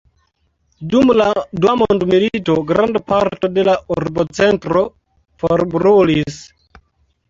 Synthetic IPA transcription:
dumladuamondmilitoɡɾandpaɾtodelaʔuɾbot͡sentɾo | foɾbɾulis

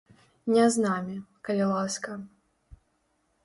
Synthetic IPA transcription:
nʲɛznamʲikɐlʲɛlˠaskɐ

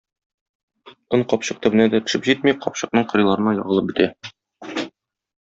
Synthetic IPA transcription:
ɤɴqɒpɕɤq̚t̪ɵ̆bɘ̆næd̪æt̪ɵ̆ʃɘpʑit̪̚miqɒpɕɤ̆qnɤɴqŏɾɤ̆jlˠɑɾɤ̆nɑjɒ̰ʁɤ̆lˠɤp̚bɵ̆t̪æ

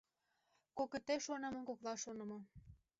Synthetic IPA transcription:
koket̪eʃonə̆mə̆nkoklɑʃonɤ̆mŏ

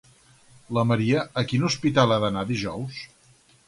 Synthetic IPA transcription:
ləməɾiəəkinuspit̪alˠaðənaðiʒɔws

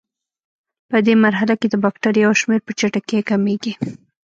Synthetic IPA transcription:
pəd̪emaɾɦalaked̪əbɑk̚ʈaɾjawʃmeɾpət͡ʃaʈakekameɡi

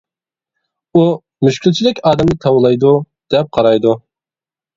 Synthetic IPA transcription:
u | myʃkʲʰylt͡ʃʰilɪkʲɑːd̪ɛmnɪt̪ʰɑwlˠɑjd̪u | d̪̥ɛp̚qʰɑɾɑjd̪u

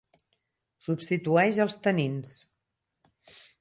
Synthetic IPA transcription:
supst̪it̪uɛʃəlˠst̪ənins

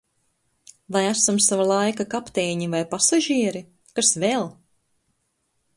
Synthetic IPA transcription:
vajæsamsavalˠajkakapt̪eːɲivajpasaʒiɛɾi | kasvelˠ

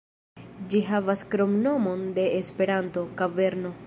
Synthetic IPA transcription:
d͡ʒiɦavaskɾo̞mno̞mo̞nde̞ːspe̞ɾanto̞kave̞ɾno̞

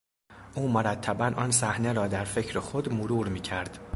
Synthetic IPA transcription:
ʔuːmoɾæt̪ʰːæbænʔɒːnsæhne̞ɾɒːd̪æɾfe̞cʰɾexod̪moɾuːɾmiːcʰæɾd̪̥

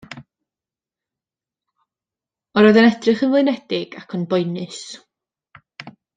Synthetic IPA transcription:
ɔɾɔjðənɛd̥rɨχənvlˠʊɨnɛd̥ɪɡ̥akʰɔnbɔɨnɨs

